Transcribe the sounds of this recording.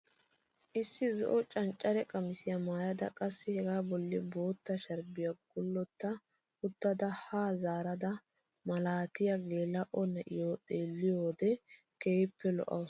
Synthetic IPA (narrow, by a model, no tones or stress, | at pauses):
ʔɪsːɪzɔ̰ʔɔt͡ʃʼɐnt͡ʃʼːɐɾɛkʼɐmɪsɪjamaːjɐd̪ɐ̰kʼɐsːɪhɛɡaːbɔlːɪbo̞ːt̪ːɐʃɐɾbɪjaɡ̥ʊlːɔt̪ːɐ | ʊt̪ːɐd̪ɐhaːzaːɾɐd̪ɐ | mɐlaːt̪ɪjɐɡe̞ːlːɐʔɔnːɐʔɪjoːt̪ʼeːlːɪjoːd̪ɛ | keːpːɛlɔ̰ʔɐ̰w